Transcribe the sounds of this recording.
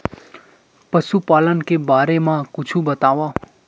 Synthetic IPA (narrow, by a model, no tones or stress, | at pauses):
pəsupaːlənkebaːɾemãkʊt͡ʃʰũbət̪aːʋaː